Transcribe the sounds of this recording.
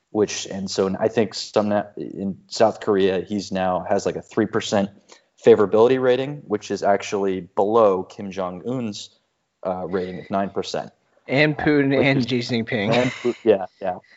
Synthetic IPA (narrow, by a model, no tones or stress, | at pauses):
wɪt͡ʃɨ̃nsoʊa̰ɪθɪ̃ŋksʌ̃mnaɪ̰̃nsaʊθkʰə˞iɨiznaʊɨzlaɪkɨθɹipʰə˞sɛ̃nt̚ | feɪvə˞ɨbɪlˠəɾiɹeɪɾɪ̃ŋwɨt͡ʃɨzæk̚t͡ʃul̩ˠibəloʊkʰɪ̃md͡ʒɑ̃ŋũnz̥ | ʔʌɹeɪɾɪ̃ŋɨðnãɪ̃npʰə˞sɛ̰̃nt̚ | ɨ̃npʰʉnɨ̃nd͡ʒiznɪ̃ŋpʰɪ̃ŋɨ̃nʰʉjæjæ